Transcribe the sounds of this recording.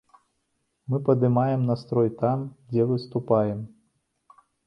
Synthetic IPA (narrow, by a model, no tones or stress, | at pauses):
mɨpɐd̪ɨmajɛmnɐst̪ɾɔjt̪amd͡zʲɛvɨst̪upajɛm